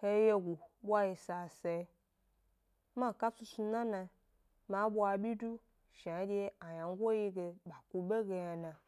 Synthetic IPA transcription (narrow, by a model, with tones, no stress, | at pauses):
he˦je˦ɡʷu˨ɓʷa˦ji˨sa˨se˨˦˧ | ma˦˨ka˦t͡su˧su˧na˦na˧˨ | ma˨˦ɓʷa˧˨bʲi˦du˦ | ʃa˨˦d͡ʒʲe˧a˨ja˨ŋ˦ɡʷo˦ji˦ɡe˧ɓa˨ku˨ɓe˦ɡe˧ja˧na˨